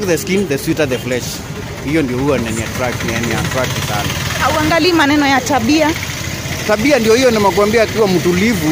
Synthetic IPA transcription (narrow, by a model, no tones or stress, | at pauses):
kðɛskinðɛsjutaðɛflɛʃ | hijɔndiɔhuanɛnia̰tɾakniɛnia̰tɾak̚nisa̰na̰hauaŋɡalimanɛnɔjataɓia | taɓiandijɔhijɔnamakwambiaːkiwamutulivu